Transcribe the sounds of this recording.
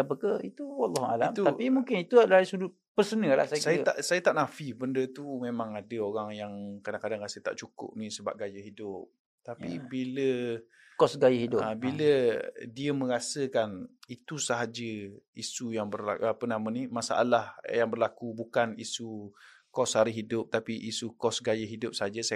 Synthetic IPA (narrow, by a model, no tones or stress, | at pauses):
apəkəit̪uwalːɑha̰lamt̪uapimuŋkɪnit̪uadalasudʊt̪̚pərsənəla̰hsasajət̪a̰ʔsajət̪aʔnafibəndət̪umemãŋadəoɾaŋjaŋkadaŋkadaŋɾasət̪a̰ʔt͡ʃukʊ̰p̚nisəba̰p̚ɡajəɦidʊp̚ | t̪apibilə | kɔsɡajəɦidʊəbilədiəmə̃ɾasəkanit̪usaɦad͡ʒəisujaŋbərla̰ʔəpənamənimasa̰ʔa̰lahjaŋbərlakubukanisu | kɔshaɾɪɦidʊp̚t̪apiʔisukɔsɡajəɦidʊp̚saɦad͡ʒəs